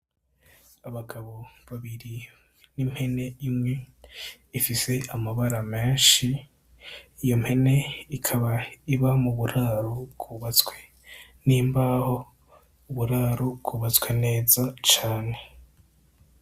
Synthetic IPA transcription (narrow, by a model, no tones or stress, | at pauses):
aβaɡaβo̞βaβiɾi | nim̥he̞ne̞imŋe̞ | ifise̞amaβaɾame̞ːnʃiː | jo̞m̥he̞ne̞ikʰaβaiβamuβuɾaːɾobɡuːβat͡swe̞ | niːmbaho̞ | uβuɾaɾoɡuːβat͡swene̞ːzat͡ʃaːne̞